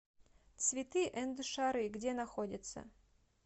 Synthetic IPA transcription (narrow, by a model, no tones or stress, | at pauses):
t̪svʲɪt̪ɨʔɛnd̪ɨʂaɾɨɡdʲenɐxodʲɪt̪sə̰